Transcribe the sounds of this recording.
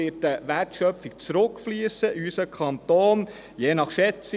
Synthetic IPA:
ɪtəʋæɾtʃœpfik̚t͡sɾɵkflyəsəʔysəkʰχɑnt̪oːn | jeːnɑχʃɛt͡si

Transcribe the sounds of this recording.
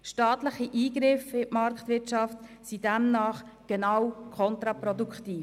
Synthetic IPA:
ʃtɑːt̪ləχiʔiːɡɾɪfɪʔmɑɾkt̪vɪtʃɑftsidɛmnɑːχɡ̥ɛnawkʰɔnt̪ɾɑpɾɔdukχtiːf

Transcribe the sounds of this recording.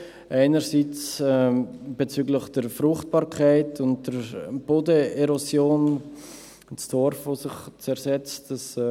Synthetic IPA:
ʔaɪnəɾsit͡sɛb̥et͡syːɡləχd̥əɾfrʊχt̚b̥ɑːɾkʰaɪtʰʊnt̚d̥əɾb̥oːdəɛɾosjoːn | t͡sd̥ɔɾfvosɪχt͡sɛɾsɛt͡std̥ɑs

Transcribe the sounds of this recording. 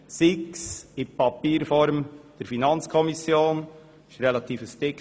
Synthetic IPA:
sɪksɪpɑpiːɾfɔɾmd̥əɾfinɑnt͡skʰɔmisjoːn | ɪʃɾɛlɑt̪iːfəstɪk

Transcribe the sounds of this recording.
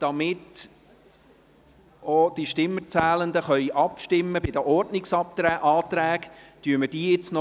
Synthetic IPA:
d̥ɑmɪt | od̪̥iʃtɪmːət͡sæːlənd̪əχœʏʔɑpʃtɪmːəbɪd̥əʔɔrdnɪksɑp̚t̪ɾæʔɑːt̪ɾæːɡtyːəməd̥iːjɪt͡snɔ

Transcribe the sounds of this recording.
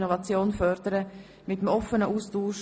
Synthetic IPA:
novɑt͡sjoːnfœɾdəɾə | mɪtəmɔfənəʔuːstuːʃ

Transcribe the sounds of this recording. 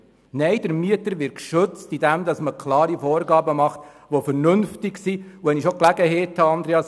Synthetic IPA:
nɛɪd̥əɾmyətəɾʋɪɾkʃɵt͡stid̥ɛmd̪ɑsməkʰlɑːɾifɔːɾɡɑːbəmɑχt̪ | ʋofɛɾnɵnftɪksiuʋɛniʃoklæɡəɦɛːthɑɑnd̪ɾeɑs

